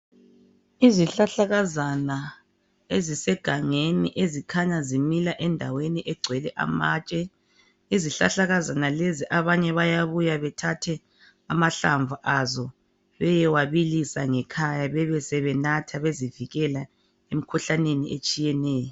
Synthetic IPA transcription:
iziɬaɬaɣazana | ezisɛɡ̥ʱaŋeniʔezikʰaɲazimilaʔɛndʱaweniʔɛɡ͡ǀʱwɛlɛʔa̰maːt͡ʃʼɛ | iziɬaɬaɣazanaleziʔaβaɲɛβajaβujaβɛtʰatʰɛ | amaɬaɱvʱuʔazɔ | βɛjɛwaβilisaŋɛkʰajaβɛβɛsɛβɛnatʰaβeziviɣɛla | em̩kʰuɬaneniʔet͡ʃʼijɛnɛːjɔ

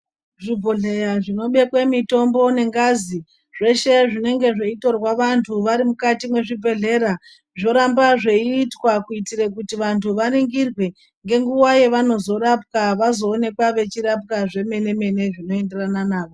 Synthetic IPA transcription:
ʐibʱo̞ɮe̞jaʐino̞ɓe̞kwe̞mito̞mbo̞ne̞ŋɡazi | ʐ̥e̞ʃe̞ʐine̞ŋɡe̞ʐeito̞rwaʋantʰuʋaɾimukatimwe̞ʐibʱe̞ɮe̞ɾa | ʐo̞ɾambaʐe̞iːtwakuitirek̬utiʋantʰuʋariŋɡirwe | ŋɡe̞ŋɡuwaje̞ʋano̞zo̞ɾap̚kaʋazo̞ːne̞kwaʋe̞t͡ʃiɾap̚kaʐe̞me̞ne̞me̞ne̞ʐino̞e̞nde̞rananaːʋo

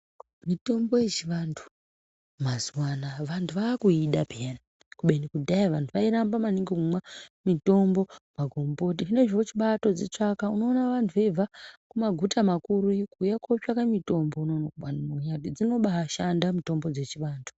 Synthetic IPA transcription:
mito̞mbo̞je̞t͡ʃiʋandʰu̥ | mazwanaʋantʰuʋakuiɗapeena | kuɓe̞nikudʱaiʋantʰuʋaiɾambamaneŋɡekumwamito̞mbo̞maɡʱo̞mbo̞tiine̞ʐiot͡ʃiɓato̞d͡zet͡ʂakauno̞ːnaʋantʰuʋevʱakumaɡʱutʰamakuɾukujakʰot͡ʃakamito̞mbo̞unonakuɓanmuɲatid͡zino̞ɓaːʃandamito̞mbo̞d͡ze̞t͡ʃiʋaːndʰu̥

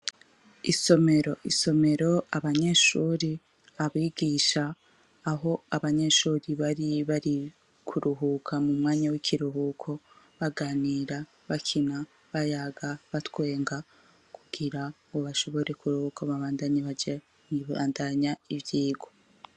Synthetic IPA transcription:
iso̞me̞ɾo̞ʔiso̞me̞ɾo̞aβaɲe̞ʃuːɾi | aβiːɡiːʃaː | ɦo̞aβaɲe̞ʃuːɾiβaɾiβaɾi | kʰuɾuɦukʰamumŋaːɲawikʰiɾuɦukʰo̞ | βaɡaːniɾa | βakʰina | βajaɡaβatwe̞ːŋɡa | kʰuɡ̥iɾaŋɡoβaʃo̞βo̞ɾe̞kuɾuhukoβaβaːndaɲaβad͡ʒa | βa̰ːndaɲaivjiːɡo̞

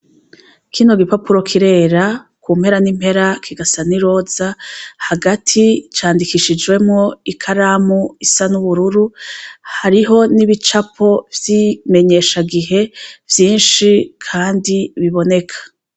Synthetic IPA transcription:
kʰino̞ɡipapuɾo̞kʰiɾe̞ːɾakuːm̥he̞ɾanimhe̞ɾakʰiɡasaniɾo̞ːzahaɡatʰit͡ʃaːndikiʃid͡ʒwe̞mŋo̞ikʰaɾaːmuisanuβuɾuɾuhaɾiɦo̞niβit͡ʃapʰo̞vjime̞ɲe̞ːʃaɡiɦe̞vjiːnʃikʰaːndiβiβo̞ne̞kʰḁ

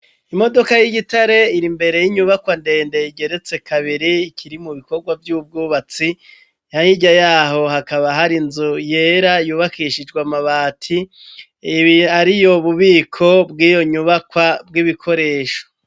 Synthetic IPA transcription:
imo̞do̞kajiɡitaɾe̞iɾimbe̞ɾe̞jiɲuβakwande̞ːnde̞iɟe̞ɾe̞t͡se̞kʰaβiɾiːkʰiɾimuβiko̞ɾɡwavjuːb̚ɡuːβat͡si | jaɲiɟajaːɦo̞ɦakaβaɦaɾinzuje̞ːɾajuːβakiʃid͡ʒɡwamaβaːtʰi | βiaɾijo̞βuβiːkʰo̞bɡiːjo̞ɲuβakwabɡiβikʰo̞ɾe̞ːʃo̥

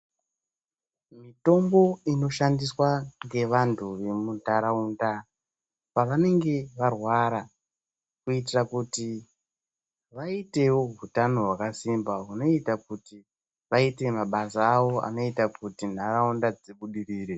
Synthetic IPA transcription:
mito̞mbo̞ino̞ʃandiswaŋɡe̞ʋantʰuʋe̞mundaɾaunda | paʋane̞ŋɡe̞ʋarwaɾa | kuit̬irakuti | ʋaite̞wo̞ɦutano̞ɦwakasimbaɦuno̞itakuti | ʋaite̞maɓasaːwo̞a̰no̞itakutin̤aɾaundad͡zeɓuɗiriːɾe

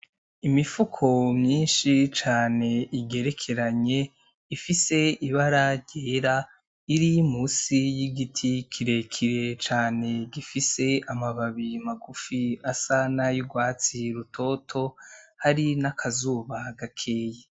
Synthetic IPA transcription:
imifukʰo̞mɲiːnʃit͡ʃaːne̞iɡe̞ɾe̞kʰe̞ɾaɲe̞ | ifise̞iβaɾaɾɟeːɾa | iɾimusijiɡitʰikʰiɾe̞kʰiɾe̞t͡ʃaːne̞ɡifise̞amaβaβimaɡufiasanajuɡwaːt͡siɾutʰo̞tʰo̞haɾinakʰazuːβaɡakʰe̞ːje

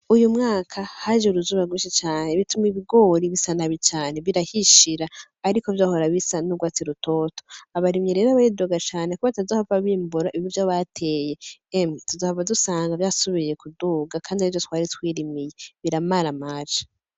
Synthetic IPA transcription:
ujumŋaːkʰahaʒeuɾuzuːβaɡwiʃit͡ʃaːneβitumiβiɡo̞ːɾiβisanaβit͡ʃaːne̞βiɾahiʃiɾaː | ɾikovjahoɾaβisanuɡwaːt͡siɾutʰo̞ːto̥aβaɾimɲeɾe̞ːɾaβajiduɡat͡ʃaːnekuβatazahavaβiːmbuɾaiβivjaβatʰe̞je̞emituzahaβadusaːŋɡavjaːsuβije̞kuduːɡakʰaːndiaivjotwaːɾitwiːɾimijeβiɾamaɾamaːʒḁ

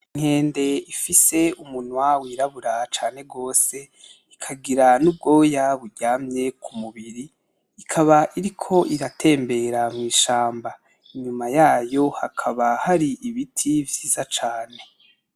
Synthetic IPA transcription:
iŋ̥he̞ːnde̞ifise̞umunwawiɾaβuɾat͡ʃaːne̞ɡo̞ːse̞ | ikʰaɡiɾanub̚ɡo̞ːjaβuɾɟaːmɲe̞kʰumuβiɾiː | kʰaβaʔiɾikʰo̞ʔiɾatʰe̞ːmbe̞ɾamŋiːʃaːmba | iɲumajaːjo̞hakʰaβahaɾiʔiβitʰivjiːzat͡ʃaːne̞

